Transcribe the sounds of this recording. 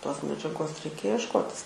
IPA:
ˈtoːs mʲɛd͡ʒʲɛˈɡoːs rʲɛɪˈkʲeːjɛ jɛʃˈkoːtʲɪs

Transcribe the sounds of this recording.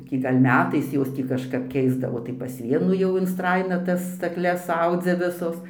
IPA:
ˈtʲiː ˈɡɐlʲ ˈmʲæːtɐɪs ˈjoːs ˈtʲiː kɐʃˈkɐp ˈkʲɛɪzdɐʋoː tɐɪ pɐs ˈʋʲiɛnuː jɛʊ ɪnstrɐɪˈnɐ ˈtɐs stɐkˈlʲɛs ˈɐʊd͡zʲɛ ˈʋʲɪsoːs

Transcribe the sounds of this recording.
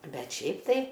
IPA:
ˈbʲɛt ˈʃʲɛɪp tɐɪ

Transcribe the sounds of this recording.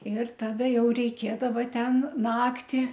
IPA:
ɪr ˈtɑːdɐ ˈjɛʊ rʲɛɪˈkʲeːdɐʋɐ ˈtʲɛn ˈnɑːktʲiː

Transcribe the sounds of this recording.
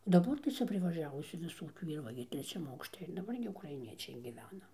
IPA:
oː dɐˈbɐr tɐɪ ˈt͡sʲɛ pʲrʲɪʋɐˈʒʲæːʋʊsʲʊ ʋʲɪˈsoːkʲuː iːˈrɐ ˈʋɐ ɡʲɪ tʲrʲɛˈt͡ʃʲɛm ˈɐʊkʃʲtʲɛ ɪr dɐˈbɐr ɡʲɪ ʊkrɐɪˈnʲiɛt͡ʃʲɛɪ ɡʲɪˈʋʲæːnɐ

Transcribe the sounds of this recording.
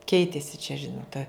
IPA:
ˈkʲɛɪtʲeːsʲɪ t͡ʃʲɛ ˈʒʲɪnoːt tɐ

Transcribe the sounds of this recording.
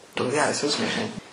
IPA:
ˈtoːks ˈɡʲæːrɐs ˈjɛʊsmɐs ʒʲɪˈnɐɪ

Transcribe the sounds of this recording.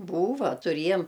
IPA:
ˈbuːʋɐ tʊˈrʲiɛjɛm

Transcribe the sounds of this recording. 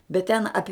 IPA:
bʲɛt tʲɛn ˈɑːpʲɪ

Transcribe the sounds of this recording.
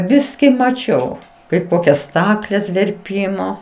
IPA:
ˈbʲɪsʲkʲɪ mɐˈt͡ʃʲɛʊ kɐɪp ˈkoːkʲɛs ˈstɑːklʲɛs ʋʲɛrʲˈpʲiːmoː

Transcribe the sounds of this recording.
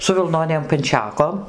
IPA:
sʊ ʋʲɪlˠˈnoːnʲeːm pɐnʲˈt͡ʃʲæːkoːm

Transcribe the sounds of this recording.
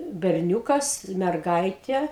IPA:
bʲɛrʲˈnʲuːkɐs mʲɛrˈɡɐɪtʲiɛ

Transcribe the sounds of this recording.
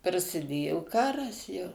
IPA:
prɐsʲɪˈdʲeːjoː ˈkɑːrɐs jɛʊ

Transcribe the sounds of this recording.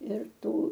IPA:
ɪr ˈtuː

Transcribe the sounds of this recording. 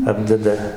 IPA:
ˈɑːbʲdʲɛdɐ

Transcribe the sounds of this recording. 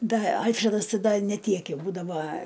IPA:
ˈdɐ ˈɐlʲfʲrʲɛdɐs ˈtʲɪ ˈdɐ nʲɛ tʲiɛk ˈjɛʊ ˈbuːdɐʋɐ

